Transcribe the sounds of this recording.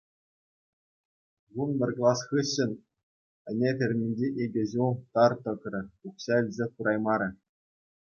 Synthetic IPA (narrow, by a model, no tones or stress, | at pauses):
ʋunbʲɘ̆rʲklˠɑsχɯɕːɘ̆nʲ | ɘ̆nʲet̪ʲɘ̆rʲmʲinʲd͡ʑeʔeɡʲɘ̆ʑulˠt̪ɑrt̪ɤ̆krʲɤ̆uχɕɑɘ̆lʲzʲekuɾʔɑjmɑɾʲɘ̆